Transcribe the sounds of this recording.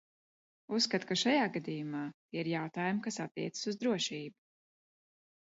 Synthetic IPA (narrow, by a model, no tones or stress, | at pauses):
usːkat̪kaʃajaːɡad̪ijumaːt̪iɛiɾjawt̪aːjumkasat̪ːiɛt̪sɨ̥suzd̪ɾuɔʃiːbu̥